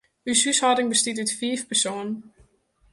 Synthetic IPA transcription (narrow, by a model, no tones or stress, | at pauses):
ysyshaːdɪŋbəstitɪtfiːfpɛsoːnn